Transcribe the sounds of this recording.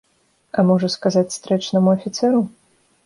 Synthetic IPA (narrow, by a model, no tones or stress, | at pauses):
ɐmɔʐɐskazat͡sʲst̪ɾɛt͡ʂnɐmuɐfʲit̪sɛɾu